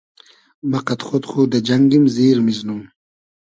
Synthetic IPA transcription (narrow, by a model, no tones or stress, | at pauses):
mɐqat̪χot̪χud̪ad͡ʒaŋɡimziːɾmiznum